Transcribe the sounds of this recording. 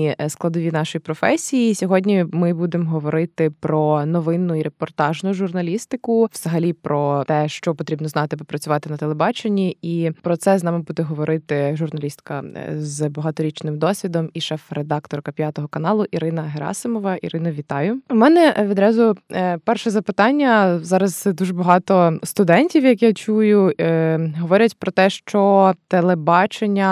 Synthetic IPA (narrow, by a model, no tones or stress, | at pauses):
isklˠɐd̪ɔʋʲinɑʃɔjipɾɔfɛsʲijisʲɔɦɔdʲnʲimɪbud̪emɦɔʋɔɾɪt̪ɪpɾɔnɔʋɪnːʊiɾepɔrt̪ɑʒnʊʒʊrnɐlʲist̪ɪkʊʋz̥ɐɦɐlʲipɾɔt̪ɛʃt͡ʃɔpɔt̪ɾʲibnɔznɑt̪ɪbɪpɾɐt͡sʲʊʋɑt̪ɪnɐt̪elˠebɑt͡ʃenʲːiipɾɔt̪sɛznɑmɪbud̪ɛɦɔʋɔɾʔɪt̪ɪʒʊrnɐlʲist̪kɐzbɐɦɑt̪ɔɾʲit͡ʃnɪmd̪ɔsʲʋʲid̪ɔmiʃɛfred̪ɑkt̪ɔrkɐpʲjɑt̪ɔɦɔkɐnɑlˠʊʔiɾɪnɐɦeɾɑ̰sɪmɔʋɐʔḭɾɪnɐʋʲit̪ɑjʊmɛnɛʋʲid̪ɾɑzʊpɛrʃɛzɐpɪt̪ɑnʲːɐzɑɾɐzd̪uʒɛbɐɦɑt̪ɔst̪ʊd̪ɛnʲtʲiwjɐkjat͡ʃujʊ | ɦɔʋɔɾʲɐtʲpɾɔt̪ɛʃt͡ʃɔt̪elˠebɑt͡ʃenʲːɐ